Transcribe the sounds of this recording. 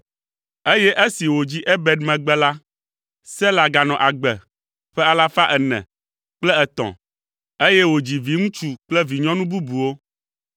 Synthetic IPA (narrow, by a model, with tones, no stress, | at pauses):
e˦jɛ˦ʔe˦si˨wo˨d͡ʑi˦ʔɛ˦bɛ˨dmɛ̃˨ɡ͡bɛ˦la˦ | sɛ˦la˨ɡa˨nɔ̃˨ʔa˨ɡ͡bɛ˨ | ɸɛ˦a˨la˦fa˦ʔɛ˨nɛ̰̃˨ | k͡plɛ˦ɛ˨t̪ɔ̰̃˨ | e˦jɛ˦wo˨d͡ʑi˨vi˨ŋũ˦t͡ʃu˦k͡plɛ˦vi˨ɲɔ̃˦nũ˦bu˦bu˨wo˦